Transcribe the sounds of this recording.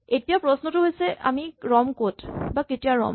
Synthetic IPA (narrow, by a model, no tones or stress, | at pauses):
etijapɹɔsnɔtʊɦojsɛʔʔa̰miɹɔmkotbaketijaɹɔ̰m